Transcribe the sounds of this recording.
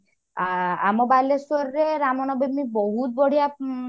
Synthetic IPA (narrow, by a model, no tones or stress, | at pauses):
a̰mɔbalesoɾɾeɾamɔnɔbemibɔɦut̪̚bɔɽ̤ija